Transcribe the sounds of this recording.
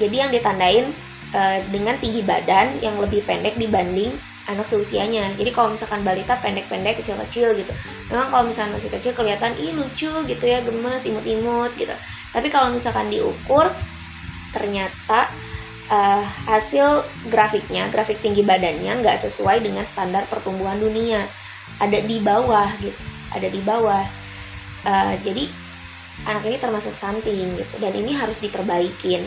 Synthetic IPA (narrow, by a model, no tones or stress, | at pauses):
d͡ʒadijaŋdiat̪andaɪn | ʔəːdəŋant̪iŋɡiba̰danjaŋləbɪhpendɛk̚dibandɪŋ | ʔanaksəɾusiaɲad͡ʒadikalomisalkanbalit̪apɛndɛk̚pɛndɛkːət͡ʃɪlkət͡ʃɪlɡit̪u | memaŋkalomisakanmasɪhkət͡ʃɪlkəliat̪anʔihlut͡ʃuɡit̪ujaɡəməsimʊt̪imʊt̪̚ɡit̪ṵ | t̪apikalowmisalkandiʔṵkʊr | t̪ərɲat̪a | ʔəːhasɪl | ɡɾafɪk̚ɲaɡɾafɪk̚t̪iŋɡibadanɲaŋɡaʔsəsuajdəŋanst̪andar̚pərt̪umbuɦandunia | ʔadadibawahɡit̪u̥ | ʔa̰dadibawah | ʔəːd͡ʒadi | ʔanakinit̪ərmasʊk̚sant̪ɪŋɡit̪udanḭniɦaɾʊsdipərbaikɪn